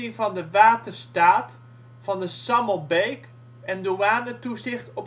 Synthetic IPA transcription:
ɪŋvɑndəʋaːtərstaːt | fɑndəsɑməlˠbejk | ɛnduaːnətusɪχtɔp

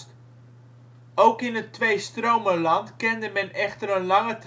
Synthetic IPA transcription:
t | owkɪnətːʋejstrowməlɑntkɪndəmɛnɛχtərənlɑŋət

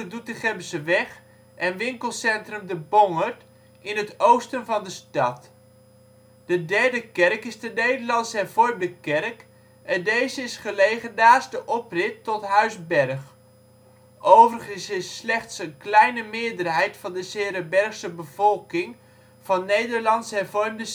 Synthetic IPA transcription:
ədut̚dəχɛmsəʋɛχ | ʔɛnʋɪŋkəlˠsɛntrəmdəbɔŋərt | ɪnətowstənvɑndəstɑt | d̥ədɛɹdəkɛrkɪzdənejdəɹlɑnsəɛvɔɹmdəkɛrk | ʔɛndejzəɪsχəlejχənːaːstəʔɔprɪtːɔtɦœɥzbɛrχ | ʔowvərəχənsɪsːlɛχtsənklɛjnəmɪːɹdərɦɛjtfɑndəsɪːɾəbɛɹχsəbəv̥ɔlˠkɪŋ | v̥ɑnːejdəɹlɑnsɦɛɹvɔrmdə

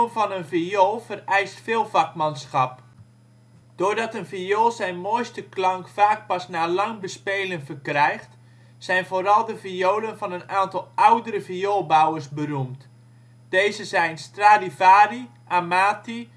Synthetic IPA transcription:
ənfɔnənfiolˠfərɛjstfeːlˠvɑkmansxɑp | d̥oːrdɑtənfiolˠzɛjnmojstəklɑŋkfaːk̚pɑsnaːlɑŋbəspeːlənfərkrɛjxt | sɛjnfoːɾɑlˠdəfioːlənfɔnənaːntɔlˠʔawdəɾəvioːlˠbawərsbərumt | d̥eːzəzɛjnstraːdivaːri | ʔamaːti

